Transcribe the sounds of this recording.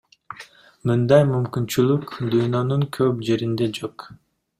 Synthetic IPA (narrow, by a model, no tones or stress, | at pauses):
mɯnd̪ɑjmymkynt͡ʃylykd̪ujnɑnɯŋkʰøpd͡ʒe̞ɾind̪ed͡ʒok